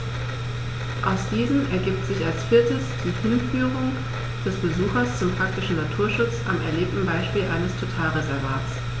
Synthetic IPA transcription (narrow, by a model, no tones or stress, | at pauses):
ʔaʊsd̥iːzəm̩ɛɐɡiːp̚tz̥ɪçalsfɪɐtəsd̥iːhɪnfyːʁʊŋ | d̥ɛsb̥əzuːxɐst͡sʊmpʁ̥ak̚tɪʃn̩natʰuːɐʃʊt͡sʔamɛ̰ɐleːp̚tn̩baɪʃpiːlʔa̰ɪnəstʰotʰaːlʁezɛɐvaːtt͡s